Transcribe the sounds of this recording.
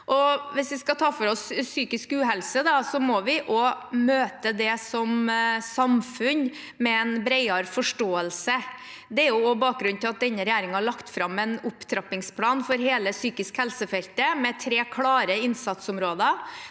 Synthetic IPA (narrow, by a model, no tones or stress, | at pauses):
ʔɔʋɪsʋɪskɑt̪ʰɑːfɔɾɔsːyːkɪskʉːɦɛlsəd̪ɑsɔmɔʋɪʔɔmøːt̪əd̪ɛsɔmsɑmfʉn | mɛɛnbɾɛɪɑɾfɔʂʈoːəlsə | d̪ɛæɾjʊɔbɑːk̚ɡɾʉn̩t̪ɪlɑt̪̚d̪ɛnːəɾɛjæːɾɪŋhɑɭɑkt̪fɾɑmːɛnʊpt̪ʰɾɑpɪŋspʰlɑːnfɔɾɦeːləsyːkɪskhɛlsəfɛlt̪əmɛt̪ʰɾeːkʰlɑːɾəɪnsɑt̪sʊmɾoːd̪ə